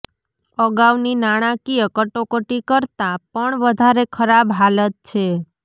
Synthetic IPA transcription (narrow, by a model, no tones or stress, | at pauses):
əɡaʋninaɽ̃ãkiəkəʈokəʈikəɾt̪apəɳʋəd̪ʱaɾekʰəɾabɦalət̪̚t͡ʃʰe